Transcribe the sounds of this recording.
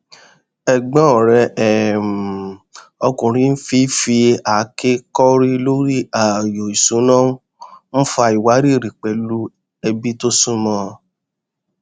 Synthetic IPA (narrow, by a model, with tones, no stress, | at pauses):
ɛ˨ɡ͡bɔ̃˦ɔ˨ɾɛ˧ɛ˨m˨ | ɔ˧kũ˨ɾ̃ĩ˧˦n̩˦fi˦fi˧a˨˦ke˦kɔ˦ɾi˦lo˦ɾi˦a˨jo˨i˨sũ˨˦nã˦ũ˦ | m̩̃˦fa˧˨i˨wa˨˦ɾi˦˨ɾi˨k͡pɛ˨˦lu˦ | ɛ˧bi˦to˦sũ˦mɔ̃˧